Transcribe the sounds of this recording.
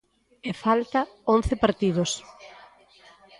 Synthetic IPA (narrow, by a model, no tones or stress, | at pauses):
efalt̪ɐõn̟θɪpaɾt̪ið̞os